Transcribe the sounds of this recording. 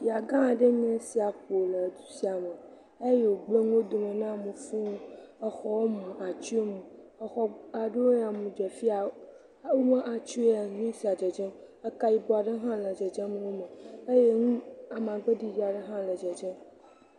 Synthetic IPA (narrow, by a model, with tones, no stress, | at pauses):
ja˨ɡã˦˨ɖe˦ɲ˦ɛ̃˦si˨a˨ɸo˨lə˨d̪u̥˦si˦a˨me˨ | e˦je˨wo˨ɡ͡ble˦ŋũ˦o˦d̪o˨me˨nã˦˨mũ˨fũ˦o˦e˦xɔ˦wo˦mũ˨a˨t͡ʃu˦e˦mũ˨e˦xɔ˦a˨ɖo˦wja˨mũ˨d͡ʒɛ˨fi˦a˨ | wo˦mə̃˦ʔa˨t͡ʃu˦e˦a˨ɲũ˦si˨a˨d͡ʒɛ˨d͡ʒe˦m | e˦ka˦ji˦bo˦a˨ɖe˦ɦã˦lə˨d͡ʒe˨d͡ʒe˦mẽ˨nõ˦me˨e˦je˦ŋũ˦a˨m˨ã˨ɡ͡be˦ɖi˦d͡ʒi˦a˨ɖe˦ɦã˦lə˨d͡ʒɛ˨d͡ʒe˦m